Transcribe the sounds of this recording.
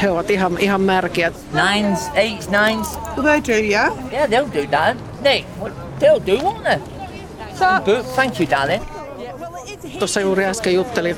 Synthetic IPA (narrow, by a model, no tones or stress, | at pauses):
heoʋɑt̪iɦɑmihɑmmærkiæt̪ | nãɪ̃nzeɪtnãɪ̃nz̥ðedəjajæðeɪlˠdədaln | newə | ðeɪlˠdəɔnə | soɡ̥ʊdθæ̃ŋkʰjɨda̰lɪ̃n | j | t̪osːɑjuːɾiɑskejut̪ːeli